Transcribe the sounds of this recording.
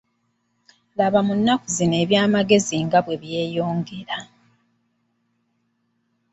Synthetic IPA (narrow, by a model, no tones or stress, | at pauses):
laβamunːakuzine̞ːβjaːmaɡe̞ziŋɡaβwe̞βje̞ːjo̞ːŋɡe̞ɾa